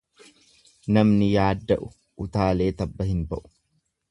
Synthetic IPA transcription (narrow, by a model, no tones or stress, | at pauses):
nɐmnɪjaːd̪ːɐʔʊ | ʊt̪aːle̞ːt̪ɐbːɐhɪnbɐʔʊ̥